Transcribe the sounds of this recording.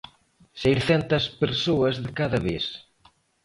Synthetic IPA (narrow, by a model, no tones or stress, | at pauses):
sejɾθɛnt̪ɐspeɾsoɐzðɪkaðɐβes